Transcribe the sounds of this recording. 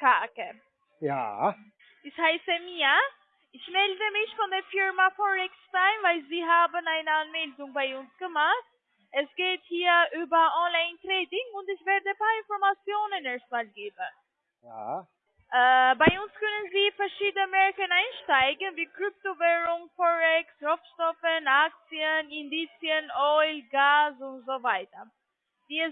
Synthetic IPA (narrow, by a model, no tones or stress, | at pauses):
kʰaːkə | ja̰ | dishaɪsɛmiːa | ʔɪçmɛldəmɪçfɔndeːɐfɪɹmafɔʁɛkstaɪnvaɪlziːɦaːbənaɪnəanmɛldʊŋbaɪʊnsɡ̥əmaχt̚ | ʔɛsɡ̥eːthiːɐʔyːbɐʔɔnlaɪntʁɛːdɪŋʊntɪçv̥ɛɐdəpʰaːɪnfɔɐmat͡sjoːnəneːɐst̚maːlɡeːbən | j | ʔɛːbaɪʊnskœnənziːfɛɐʃiːdənəmɛɹkənaɪnʃtaɪɡən̩viːkʁ̥ʏp̚tovɛːʁʊŋfɔɛksʁɔfʃtɔfənak̚t͡siənɪndiːt͡sjənʔɔʏlɡaːsʊntz̥ovaɪtɐ | d̥iːɛs